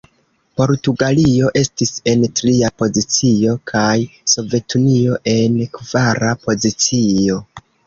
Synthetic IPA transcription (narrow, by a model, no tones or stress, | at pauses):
po̞ɾtuɡalio̞ʔe̞stise̞ntɾiapo̞zit͡sio̞kʰajso̞ve̞tʰunio̞ʔe̞nkvaɾapo̞zit͡sio̞